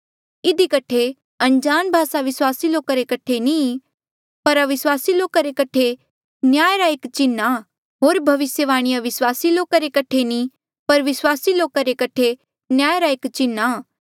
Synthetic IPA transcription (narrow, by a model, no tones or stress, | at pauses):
ɪd̪ʱikɐʈʰe | ɐ̃nd͡ʒaːnbʱaːsaʋɪswaːsiloːkaɾekɐʈʰenĩ | pɐɾɐʋɪswaːsiloːkaɾekɐʈʰe | njaːeɾaeːkt͡ʃɪnːa | ɦoːɾbʱɐʋɪsjəʋaːɽ̃ɪjaʋɪswaːsiloːkaɾekɐʈʰenĩ | pɐɾʋɪswaːsiloːkaɾekɐʈʰe | njaːeɾaeːkt͡ʃɪnːa